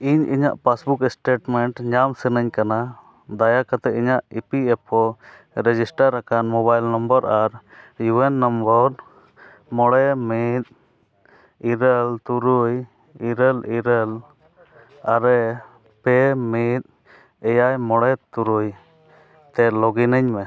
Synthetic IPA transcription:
iɲʔḭɲa̰ʔpasbukɛsʈeʈmɛɳʈɲamsɛnəɲkana | d̪ajakat̪ɛiɲaʔipiɛpʰɔ | ɾɛd͡ʒisʈaɾːakanmɔbajlnɔmbəɾaɾjuɛnːɔmbɔɾ | mɔɽɛmit̪̚ | iɾəlt̪uɾuj | iɾəliɾəl | aɾɛ | pɛmit̪̚ | ɛjajmɔɽɛt̪uɾuj | t̪ɛlɔɡinəɲmɛ

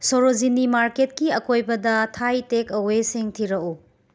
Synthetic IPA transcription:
soɾozinimaɾketkiɐkojbɐdɐtʰajtekɐweseŋtʰiɾɐku

